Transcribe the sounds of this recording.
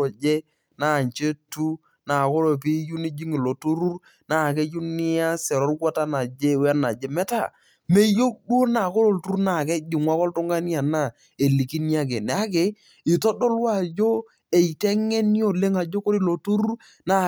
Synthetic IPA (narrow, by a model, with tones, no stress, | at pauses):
d͡ʒe˦ | naː˦˨ɲt͡ʃe˦tu˦ | na˨ko˦ɾo˨pi˦ju˦ni˦d͡ʒi˦ŋi˨lo˨tu˦ɾu˦ɾ | naː˦˨kɛ˦ju˦nɪ˦ja˦sɛ˨ɾɔ˦rɡa˦ta˦na˨d͡ʒe˦wa˦na˨d͡ʒe˨mɛ˦ta˦˨ | me˦jo˦k̚dwo˦na˨ko˦ɾo˨ltu˦ɾu˦na˨kɛ˦d͡ʒi˨ŋwa˦kɔ˦ltʊ˦ŋɡa˦nja˨na˦˨ | e˨li˨ki˦n˦a˦k̬e˨n˨˦a˦k̬e˨ | ɪ˨tɔ˦dɔ˦lwa˦˨d͡ʒo˦ | e˨i˨tɛ˦ŋɛ˦n˦o˨le˦ŋa˨d͡ʒo˦ko˦ɾi˦lo˨tu˦ɾu˦r | na˦